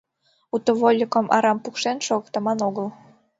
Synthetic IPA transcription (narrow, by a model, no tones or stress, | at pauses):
ut̪ŏβolʲːikə̆mʔɑ̰ɾɑmpukʃenʃoɣɤ̆kt̪ɤ̆mɑnoɣəl